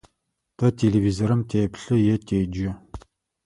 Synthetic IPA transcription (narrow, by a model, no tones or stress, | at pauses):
tʰɐtʲʰelevizoɾɨmtʰeːpɬɨjɛtʰeːd͡ʒɪ